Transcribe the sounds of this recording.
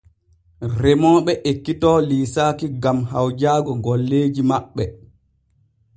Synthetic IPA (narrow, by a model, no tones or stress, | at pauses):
rɛmɔːɓɛʔekːitɔːliːsaːkiɡamhawd͡ʒaːɡɔɡɔlːeːd͡ʒimaɓːɛ